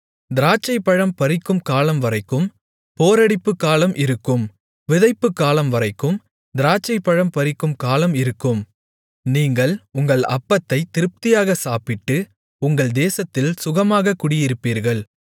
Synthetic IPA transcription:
d̪ɪɾaːt͡ʃːɐɪpːɐɻɐmpɐɾɪkːɯmkaːlɐmʋɐɾɐɪkːɯm | poːɾɐɽɪpːɯkːaːlɐmʔɪɾɯkːɯm | ʋɪðɐɪpːɯkːaːlɐmʋɐɾɐɪkːɯm | d̪ɪɾaːt͡ʃːɐɪpːɐɻɐmpɐɾɪkːɯmkaːlɐmɪɾɯkːɯm | niːŋɡɐɭʊŋɡɐɭɐ̰pːɐt̪ːɐɪt̪ːɪɾɯp̚t̪ɪjaːɣɐsaːpɪʈːɯ | ʊŋɡɐɭd̪eːsɐt̪ːɪlsʊɣɐmaːɣɐkːʊɽɪjɪɾɯpːiːɾɣɐɭ

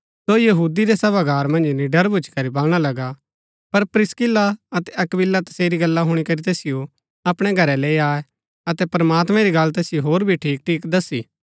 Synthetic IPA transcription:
sojɐɦuːd̪iɾesɐbaɡʱaːɾmɐ̃nd͡ʒniɖɐɾbʱʊt͡ʃkɐɾibɐlɽ̃alɐɡa | pɐɾpɾɪskɪlaɐt̪ɛʔɐkbɪlːat̪ɐ̥seːɾiɡɐlːaɦʊɽ̃ikɐɾit̪eːsɪjo | ɐpɽ̃ɛɡʱɐɾɛleːiaːe | ɐt̪ɛpɾɐmaːt̪mɛ̃ɾiɡɐlt̪ɛːsɪjoɦoːɾbʱiʈʰiːk̚ʈʰiːkd̪ɐsiː

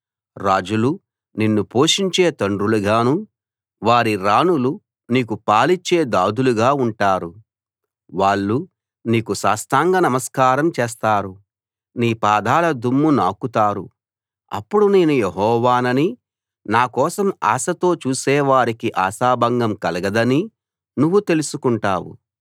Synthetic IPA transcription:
ɾaːd͡ʒulu | ninːupo̞ːʂiɲt͡ʃe̞ːt̪ɐɳɖɾuluɡaːnuː | ʋaːɾiɾaːnulu | niːkupaːlit͡ʃːe̞ːd̪aːd̪uluɡaːuɳʈaːɾu | ʋaːɭːu | niːkusaːst̪aːŋɡɐnɐmɐskaːɾɐmt͡ʃeɛːs̬t̪aːɾu | niːpaːd̪ʱaːlɐd̪ʱumːunaːkut̪aːɾu | ɐ̰pːuɽune̞ːnujeɦɔːʋaːnɐni | naːkɔːsɐma̰ːsɐt̪o̞ːt͡ʃuːsɛːʋaːɾikiʔaːsaːbʱɐŋɡɐmkɐlɐɡɐd̪ɐni | nuʋːut̪e̞lusukuɳʈaːwṵ

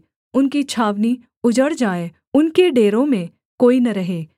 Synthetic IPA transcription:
ʊnkit͡ʃʰaːʋni | ʊd͡ʒəɽd͡ʒaːe | ʊnkeɖeːɾõmẽ | koːinɐɾɐɦeː

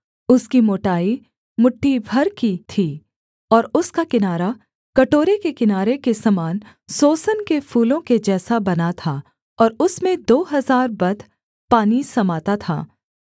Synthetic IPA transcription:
ʊskimoːʈaːi | mʊʈːibʱɐɾkit̪ʰiː | ɔːɾʊskakɪnaːɾa | kɐʈoːɾekekɪnaːɾekesɐmaːn | soːsənkefuːlõked͡ʒɛːsabɐnat̪ʰa | ɔːɾʊsmẽd̪oːɦɐzaːɾbɐd̪ʱ | paːnisɐmaːt̪at̪ʰa̰ː

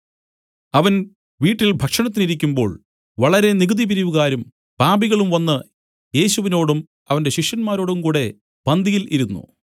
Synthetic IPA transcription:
ɐʋɐn | ʋiːʈːilbʱɐkʂɐɳɐt̪ːiniɾikʲːumbo̞ːɭ | ʋɐɭɐɾe̞niɡɨd̪ibiɾiʋuɣaːɾum | b̥aːbiɣɐɭumʋɐnːɨ | je̞ːɕuʋino̞ːɽum | ɐʋɐnde̞ɕikʂjɐnmaːɾo̞ːɽumkuːɽe̞ | b̥ɐnd̪ʱijiliɾunːṵ

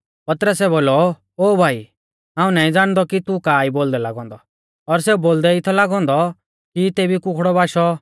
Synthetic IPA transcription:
pɐt̪ɾəsɛboːlɔ | oːbʱaːi | ɦãːũnaːĩd͡zaːɽ̃d̪ɔkit̪ukaːiboːld̪ɛla̰ːɡɔ̃ːnd̪ɔ | ɔɾs̬euboːld̪ɛɪt̪ʰɔlaːɡɔ̃ːnd̪ɔ | kit̪eːbikʊkʰɽɔbaːʃɔ

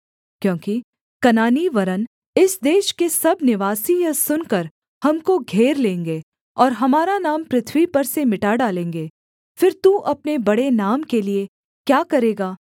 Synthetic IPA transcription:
kjõːki | kɐnaːniʋɐɾən | ɪsd̪eːʃkesɐbnɪʋaːsijɐsʊnkəɾ | hɐmkoɡʱeːɾlẽːŋɡeː | ɔːɾɦɐmaːɾanaːmpɾɪt̪ʰwipɐɾsemɪʈaːɖaːlẽːŋɡeː | fɪɾt̪uʔɐpnebɐɽenaːmkelie | kjaːkɐɾeːɡaː

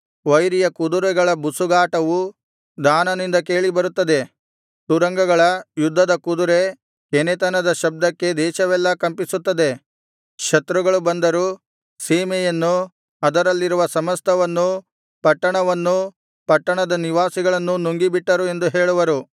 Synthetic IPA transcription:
ʋɐjɾijɐkud̪uɾɛɡɐɭɐbusuɡaːʈɐʋu | d̪aːnɐnind̪ɐke̞ːɭibɐɾut̪ːɐd̪e̞ | t̪uɾɐŋɡɐɡɐɭɐjud̪ʱːɐd̪ɐkud̪uɾe | kenɛt̪ɐnɐd̪ɐʃɐb̚d̪ɐkːe̞d̪ɛːʃɐʋɛlːɐkɐmpisut̪ːɐd̪e̞ | ʃɐt̪ɾuɡɐɭubɐnd̪ɐɾu | siːmɛjɐnːu | ɐd̪ɐɾɐlːiɾuʋɐsɐmɐst̪ʰɐʋɐnːu | pɐʈːɐɳɐʋɐnːu | pɐʈːɐɳɐd̪ɐniʋaːsiɡɐɭɐnːunuŋɡibiʈːɐɾue̞nd̪uɦe̞ːɭuʋɐɾu

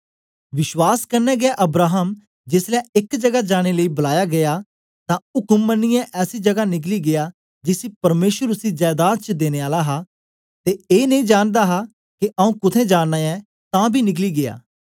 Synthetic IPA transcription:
ʋɪʃwaːskɐɾnɛːɡɪaʔɐbɾaːɦəm | d͡ʒɪslɛ̃ːɪkd͡ʒɐɡad͡ʒaːɽ̃eləiːbʊlaːjaːɡɐa | t̪ãʊkəmːənːɪjãʔɛːsiːd͡ʒɐɡanɪk̬liːɡɪaː | d͡ʒɪsiːpɐɾmeːʃwəɾʊsid͡ʒaːd̪aːt̪̚t͡ʃd̪eːneːaːlaɦa | t̪eːeːnə̃ĩːd͡ʒaːnd̪aːɦa | kiʔaũːkʊt̪ʰẽːd͡ʒaːnnaːɛ̃ː | t̪ãːbʱiːnɪk̬liːɡeja̰ː

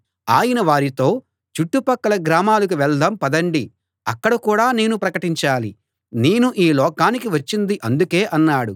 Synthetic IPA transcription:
aːjɐnɐʋaːɾit̪o̞ː | t͡ʃuʈːupɐkːɐlɐɡɾaːmaːlɐk̬uʋɛɭd̪ɐmpɐd̪ɐɳɖi | ɐkːɐɽɐkuːɽaːne̞ːnupɾɐkɐʈiɲt͡ʃaːli | ne̞ːnuʔiːlɔːkaːnikiʋɐt͡ʃːind̪iʔɐnd̪uke̞ːʔɐnːaːɽu

